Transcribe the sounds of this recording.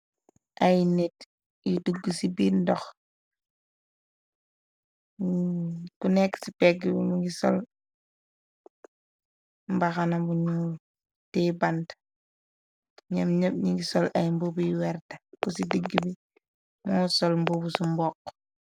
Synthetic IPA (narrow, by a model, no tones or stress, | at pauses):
ʔajnɛt | jiduɡːusibindɔx | kunɛkːsipɛɡiɲuŋɡisɔ̰l | mbaxanɐbuɲu | tɛbant | ɲɐmɲɐb̚ɲiŋɡisɔlʔajmbobujwɛɾtɐkusidəɡːibi | mɔːsɔlmbobusumbɔk